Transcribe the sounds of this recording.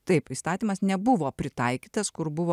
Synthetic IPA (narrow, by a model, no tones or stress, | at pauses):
t̪ɐɪpist̪ɑːt̪ʲiːmɐsnʲɛbʊʋoːpʲɾʲɪt̪ɐɪkʲiːt̪ɐskʊɾbʊʋoː